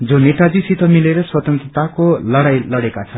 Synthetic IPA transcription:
d͡zoneʈad͡zisit̪ʰʌmileɾʌswʌt̪ʌnt̪rʌt̪akolʌɽajlʌɽekat͡sʰʌn

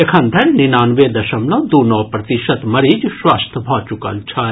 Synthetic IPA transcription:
ekʰɐ̃nd̪ʱʰɐnninaːnʋeːd̪ɐʃɐmlõd̪uːnɔːpɾɐt̪iʃɐt̪mɐɾiːd͡ʒʃʋaːst̪ʰbʱaːt͡ʃukɐ̰lt͡ʃʰa

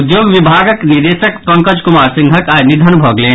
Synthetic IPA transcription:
d̪joːɡʋibʱaːɡəknid̪eːʃəkpɐ̃ŋkəd͡ʒkʊmaːɾsɪ̃ŋɡʱəkaːnɪd̪ʱənbʱɔːɡlẽː

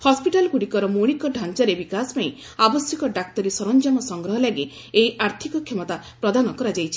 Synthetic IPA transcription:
hɔspiʈalɔkuɽikɔɾɔmoɽ̃ikɔɖʱant͡ʃɔɾebikasɔ̥paĩ | abɔsjɔkɔɖak̚t̪ɔɾisɔɾɔnd͡ʒamɔsɔŋɡɾɔɦɔlaɡe | ejʔaɾt̪ʰikɔkʰemɔt̪a | pɾɔd̪anɔkɔɾad͡ʒajt͡ʃʰi̥

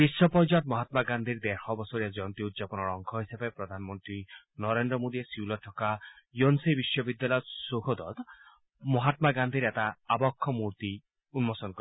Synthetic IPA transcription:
bisːɔpɔɾd͡ʒat̪mɔɦat̪maɡand̪ʱiɾd̪eɾxɔbɔsɔɾijad͡ʒɔnt̪iud̪d͡ʒapɔnɔɾɔŋkʰɔɦisebepɾɔd̪ʱanɔmɔnt̪ɾi | nɔɾend̪ɾɔmod̪iesiwlɔʈʰɔkajonsibisːɔbid̪ːjalajɔsoɦɔd̪ɔ̰t̪ | mɔɦat̪maɡand̪ʱiɾet̪aːbɔkʰːɔmuɾt̪i | unmɔsɔnk

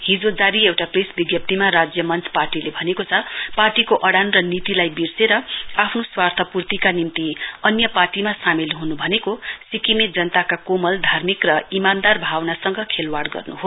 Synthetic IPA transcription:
ɦid͡zod͡zaɾiewʈaprisbiɡjʌp̚t̪imaɾad͡zjʌmʌnt͡sʰparʈilebʱʌnekot͡sʰʌparʈikoʔʌɽanrʌnit̪ilajbirseɾʌapʰnoswart̪ʰʌpurt̪ikanimt̪iʌnjʌparʈimasamilɦunubʱʌnekosikimed͡zʌnt̪akakomʌld̪ʱarmikrʌimand̪arbʱawnasʌŋɡʌkʰelwaɽɡʌ̰rnuɦo

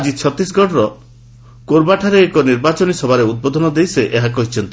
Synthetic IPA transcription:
d͡ʒit͡ʃʰɔt̪isɡɔɽɾɔ | koɾbaʈʰaɾeːkɔniɾbat͡ʃɔnisɔbʱaɾeud̪̚bod̪ʱɔnɔd̪ejseʔeɦakɔɦit͡ʃʰɔnt̪i

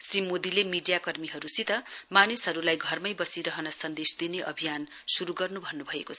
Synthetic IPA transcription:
srimod̪ilemiɖijakʌrmiɦʌɾusit̪ʌmanisɦʌɾulajɡʱʌrmʌjbʌsiɾʌɦʌnʌsʌnd̪esd̪ineʔʌbʱijan | suɾuɡʌrnubʱʌnːubʱʌekot͡sʰ

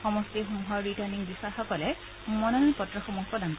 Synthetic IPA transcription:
xɔmɔstiɦumɦɔɹɹitaɹniŋbisaxɔkɔlɛ | mɔnɔnɔnpɔtɹɔxɔmupɹɔdankɔ

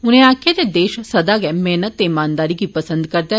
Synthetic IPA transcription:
ʊnẽãːkʰjed̪ed̪eːʃsɐd̪aɡɛmɛːnət̪ːeɪmaːnd̪aːɾiɡipəsə̃nd̪kɐɾd̪a

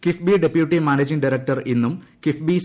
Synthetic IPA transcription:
kifbiɖepjuʈːimaːned͡ʑiŋɖɐɾɐk̚ʈɐrinːumkifbis

